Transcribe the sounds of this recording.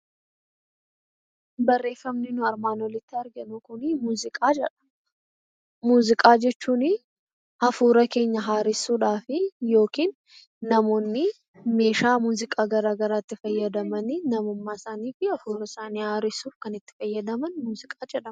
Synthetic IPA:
bɐrːe̞ːfːɐmnɪnʊɐɾmaːnɔlɪt̪ːɪɐɾɡɐnʊkʊnɪmuːzɪkʼaːd͡ʒɛᶑɐ̥ | muːzɪkʼaːd͡ʒɛt͡ʃːuːnɪ | ɐfuːɾɐke̞ːɲːɐɦaːɾɪsuːᶑaːfɪjo̞ːkiːnː | ɐmo̞ːnːɪ | me̞ːʃaːmuːzɪkʼaːɡɐɾaːɡɐɾaːɪt̪ːɪfɐjːɐd̪ɐmɐnɪnɐmʊmːaːɪsaːniːfɪɐfuːɾɐɪsaːniːhaːɾɪsuːfkɐnɪt̪ːɪ̥fɐjːɐd̪ɐmɐnmuːzɪkʼaːd͡ʒɛᶑɐm

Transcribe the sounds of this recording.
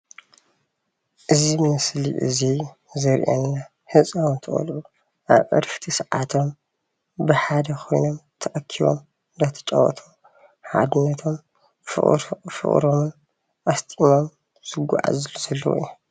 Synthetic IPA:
ʔɨzimɨslḭʔɨ̰zi | zɐɾʔḛnːa | hɨsʼawunt̪ʰɨχʼɐ̰lʔu | ʔaβʔɐ̰ɾft̪ʰisʕat̪ʰo̞m | bɨħad̪ɐkʰo̞jnomt̪ʰɐʔɐkʰːiβo̰m | nd̪ɐt̪ʰɐ̥t͡ʃʼɐ̰wɐ̰t̪ʰom | ħa̰d̪ɨnːɐt̪ʰom | fɨ̰χʼɾomɨn | ʔast̪ʼimo̞m | z̥ɨɡʷa̰ʕa̰zluz̥ɐlːɐ̰wʔju

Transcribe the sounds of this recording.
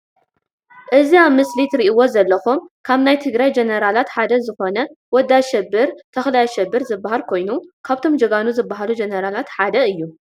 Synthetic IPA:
ʔɨziaβmɨslit̪ɾiʔiwo̞zɐlːɐxumkʰaβnajt̪ʰɨɡɾajd͡ʒenɐɾalat̪ħad̪ɐzɨxo̞nɐwɔd̪ːaʃɛbːɨɾt̪ʰɐxlajaʃɛbːɨɾzɨbːaɦalkʰo̞jnukʰaβt̪ʰo̞md͡ʒɐɡanuzɨbːaɦalud͡ʒenɐɾalat̪ħad̪ɐɨjːu

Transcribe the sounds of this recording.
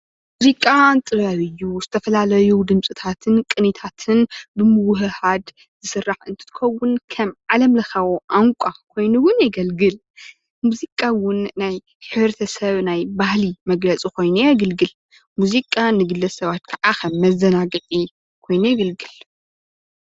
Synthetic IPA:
muzikʼant̪ʼɨβɐβɨjːuzɨt̪ʰɐfɐlalɐjud̪ɨmsʼɨt̪ʰat̪ʰɨnkʼɨnit̪ʰat̪ʰɨnbɨmɨwʊɦɨhad̪ | z̥ɨsɨrːaħɨnt̪ʰɨ̥t̪ʰɨ̥xɐwːʊnkʰɐmʕalɐmlɐxɐβoʔaŋkʷʼakʰo̞jnuwʊnjɛɡɐlɡɨl | muzikʼːawʊnːaj | ħɨβɾɐt̪ʰɐsɐβnajbahlimɐɡlɐt͡sʼiko̞jnujaɡɐlɡɨl | muzikʼanɨɡɨlːɐsɐβat̪kʰɐʕakʰɐmːɐzɐnaɡɨʔʼi | kʰo̞jnujɛɡɐlɡɨl

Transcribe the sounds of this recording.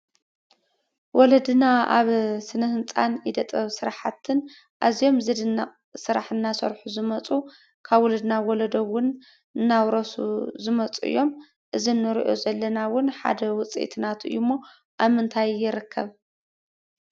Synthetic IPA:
wɔlɐd̪ɨnaa̰βsɨnɨhɨnt͡sʼa̰nid̪ɐt̪ʼɐβsɨɾaħat̪ʰːɨn | ʔazijo̞mzed̪ɨa | sɨɾa̰ħɨnːasɐ̰ɾħuzɨmɐt͡sʼu | kʰaβwɔlɐd̪nawɔlɐd̪o̞βːʊn | ɨnːawɾɐsṵzɨmɐt͡sʼuɨ̰jːo̞m | ʔɨzinːɨɾḭʔo̞̰zɐlːɐnawʊnħa̰d̪ɐwʊt͡sʼḭt̪ʰnat̪ɨ̰jumːo̞ | ʔaβmɨnt̪ʰajːɪɾɨkʰːɐβ

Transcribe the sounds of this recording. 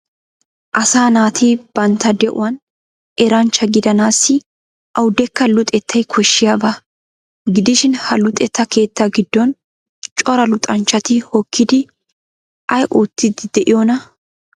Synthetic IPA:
ʔɐsaːnaːt̪ʰiːb̥ɐnt̪ɐd̪ɛʔʊ̰wɐn | ɛɾɐnt͡ʃːɐɡɪd̪ɐnaːsːɪ | ʔɐwʊd̪ɛkːɐlʊt̪ʼɛt̪ʰːɐjkʰɔʃːɪjaːbɐ | ɡɪd̪ɪʃɪnhɐlʊt̪ʼɛt̪ːɐke̞ːt̪ːɐɡɪd̪̥ːɔn | t͡ʃʼɔɾɐlʊt̪ʼɐnt͡ʃːɐt̪ɪhɔkʰːɪd̪ɪ | ʔɐjʔuːt̪ːɪd̪ɪd̪ɛʔɪjɔnɐ

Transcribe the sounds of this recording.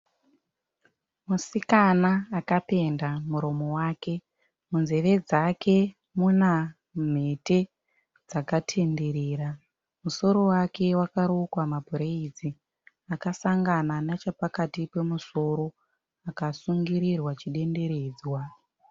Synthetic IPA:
musikanaːkape̞ndamuɾo̞mo̞waːke̞ | munze̞ʋe̞d͡zakʰe̞ | muna | m̤e̞te̞ | d͡zakatʰe̞nde̞ɾeːra | muso̞ɾo̞wake̞wakaɾokwamabʱuɾeid͡zi | akasaŋɡananat͡ʃapakatipe̞muso̞ɾo̞ | akasuŋɡiɾirwat͡ʃiɗe̞nde̞ɾe̞ːd͡zwa

